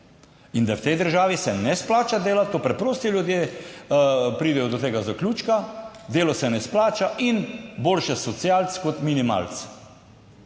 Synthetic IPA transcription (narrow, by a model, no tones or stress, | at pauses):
ind̪awt̪ɛjd̪əɾʒaːʋisɛnɛsplaːt͡ʃad̪eːlat̪opɾɛpɾoːst̪iljud̪jeː | pɾiːd̪ɛjɔd̪ɔt̪eːɡazaklʲuːt͡ʃkad̪eːlɔsɛnɛsplaːt͡ʃaʔinboːlʃɛsɔt̪sjaːlt̪skɔt̪minima̰ːlt̪s